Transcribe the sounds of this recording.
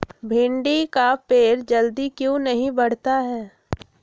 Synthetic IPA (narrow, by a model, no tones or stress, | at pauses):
bʱɪ̃ɳɖikapeːɾd͡ʒəld̪ikjõnɐɦĩbɐɽ̤t̪aɦɛː